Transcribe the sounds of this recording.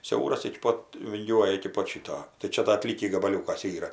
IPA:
ˈsʲɛʊrɐs ɪkʲɪ ˈpoːt ʋʲɪŋʲˈɡʲuɔjɛ ɪkʲɪ ˈpoːt ˈʃʲɪtoː tɐɪ ˈt͡ʃʲɛ dɐ ɐˈtʲlʲiːkʲiː ɡɐbɐˈlʲuːkɐs ˈiːrɐ

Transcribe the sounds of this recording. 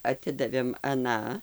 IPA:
ɐˈtʲɪdɐʋʲeːm ɐˈnɑː

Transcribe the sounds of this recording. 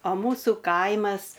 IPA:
oː ˈmuːsʊ ˈkɐɪmɐs

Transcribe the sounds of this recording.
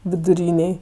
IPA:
ʋʲɪdʊˈrʲiːnʲeːj

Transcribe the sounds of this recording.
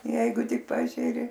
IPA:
ˈjɛɪɡʊ ˈtʲɪk ˈpɑːʒʲɛrʲɪ

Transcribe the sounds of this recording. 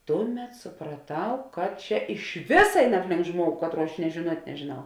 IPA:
ˈtʊˌmʲɛt sʊprɐˈtɐʊ kɐt ˈt͡ʃʲɛ ɪʃ ˈʋʲɪsɐ ˈɛɪn ˈɑːpʲˌlʲɪŋk ˈʒmuɔɡʊ ˈkɑːtˌruɔ ɐʃ nʲiɛ ʒʲeːˈnuɔtʲ nʲɛʒʲeːˈnɐʊ

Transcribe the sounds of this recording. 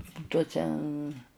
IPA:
ˈtuɔsʲɛ

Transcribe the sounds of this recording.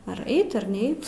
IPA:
ɐr ˈɛɪt ɐr ˈnʲɛɪt

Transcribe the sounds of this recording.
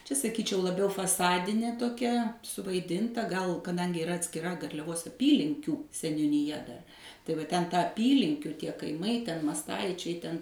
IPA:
t͡ʃʲɛ sɐˈkʲiːt͡ʃʲɛʊ lˠɐˈbʲɛʊ fɐˈsɑːdʲɪnʲeː toːˈkʲɛ sʊʋɐɪˈdʲɪntɐ ɡɐlˠ kɐˈdɐŋʲɡʲɪ ɪˈrɐ ɐtʲsʲkʲɪˈrɐ ɡɐrʲlʲɛˈʋoːs ɐˈpʲiːlʲɪŋʲkʲuː sʲɛnʲʊnʲɪˈjɛ dɐr tɐɪ ʋɐ ˈtʲɛn ˈtɑː ɐˈpʲiːlʲɪŋʲkʲʊ ˈtʲiɛ kɐɪˈmɐɪ tʲɛn mɐsˈtɐɪt͡ʃʲɛɪ ˈtʲɛn

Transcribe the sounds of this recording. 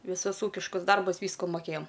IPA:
ʋʲɪˈsʊs ˈuːkʲɪʃkʊs ˈdɐrbʊs ˈʋʲiːskʊ moːˈkʲeːjɛm

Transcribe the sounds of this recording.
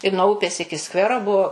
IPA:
ɪ nuɔ ˈʊpʲeːs ˈɪkʲɪ ˈskʋʲæːroː ˈbuɔ

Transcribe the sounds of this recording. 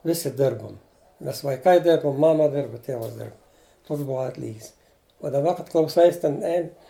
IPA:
ˈʋʲɪsʲɪ ˈdʲɪrboːm ˈmʲɛs ʋɐɪˈkɐɪ ˈdʲɪrbʊm ˈmɑːmɐ ˈdʲɪrbʊ ˈtʲeːʋɐs ˈdʲɪrp ˈtoːks ˈbuɔ ˈɑːtʲlʲiːɡʲɪs oː dɐˈbɐ kɐt klˠɐʊˈsɐɪs tʲɛn ˈɛɪn

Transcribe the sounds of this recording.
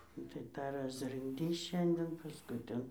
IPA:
nʊ tɐɪ ˈtɑː rɐsrɨŋɡˈdʲiːs ˈʃʲɛnʲdʲɛn pɐsˈkʊɪ ˈtʲɛn

